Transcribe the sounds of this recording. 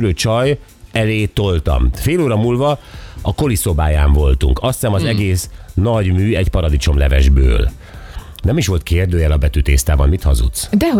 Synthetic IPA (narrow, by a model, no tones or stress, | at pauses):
løːt͡ʃɒj | ɛleːt̪o̞lt̪ɒ̰mfeːloːɾɒmuːlvɒɒko̞liso̞baːjaːɱvo̞lt̪uŋkɒst̪sɛmɒzɛɡeːsnɒɟmyːɛɟpɒɾɒd̪it͡ʃo̞mlɛvɛ̰ʒbø̰ːl | nɛmiʃʋo̞lt̪̚kʰeːrd̪øːjɛlɒbɛt̪yːt̪eːst̪aːbɒnmit̪hɒ̰zṵt̪sd̪ɛ